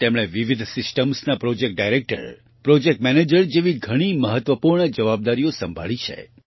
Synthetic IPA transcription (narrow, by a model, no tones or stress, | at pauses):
t̪emɽ̃eʋiʋid̪ʱsɪsʈəmsnapɾɔd͡ʒek̚ʈ̚ɖajɾek̚ʈə̰ɾ | pɾɔd͡ʒek̚ʈmɛned͡ʒəɾd͡ʒeʋiɡʱəɽ̃iməɦət̪ʋəpuɾɳəd͡ʒəʋab̚d̪aɾijosə̃mbʱa̰ɭit͡ʃʰḛ